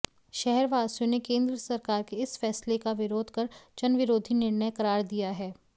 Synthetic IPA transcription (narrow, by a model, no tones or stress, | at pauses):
ʃɛɦɛɾʋaːsijõnekẽːnd̪ɾəsɐɾkaːɾkeɪsfɛːslekaʋɪɾoːd̪ʱkɐɾt͡ʃɐnʋɪɾoːd̪ʱinɪɾnəjkɐɾaːɾd̪ijaɦɛː